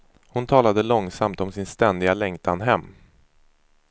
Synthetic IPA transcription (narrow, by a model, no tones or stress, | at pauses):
hʊnt̪ʰɑːlad̪əlɔŋsamt̪ɔmsɪnst̪ɛnd̪ɪɡalɛŋt̪ʰanɦɛmː